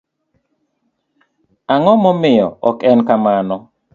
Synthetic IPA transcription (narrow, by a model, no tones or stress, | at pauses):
aŋɔmɔmɪjɔ̰ɔkɛnkamanɔ